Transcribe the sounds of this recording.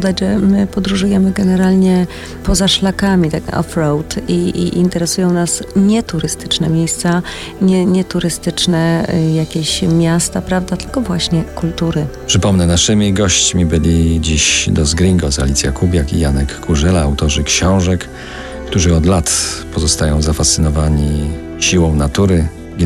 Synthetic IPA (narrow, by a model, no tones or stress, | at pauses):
d̪ad͡ʑʐɛmɘpɔd̪ɾuʐujɛmɘɡɛnɛɾalɲɛ | pɔzaʂlakamʲit̪akɔ̰fɾɔwt̪iːnt̪ɛɾɛsujɔ̃w̃nasɲɛt̪uɾɘst̪ɘ̥t͡ʂnɛmʲjejst̪sa | ɲɛɲɛt̪uɾɘst̪ɘt͡ʂnɛjakʲeɕmʲjast̪apɾavd̪at̪ɘ̥lkɔvwaɕɲɛkult̪uɾɘpʂɘpɔmnɛnaʂɘmʲiɡɔɕt͡ɕmʲibɘlʲid͡ʑiɕd̪ɔzɡɾiŋɡɔzalʲit̪sʲjakubʲjakḭjanɛkːuʐɛlaːwt̪ɔʐɘkɕɔ̃w̃ʐɛk | kt̪uʐɘɔd̪lat̪pɔzɔst̪ajɔ̃w̃zafast̪sɘnɔvaɲi | ɕiwɔ̃w̃nat̪uɾɘ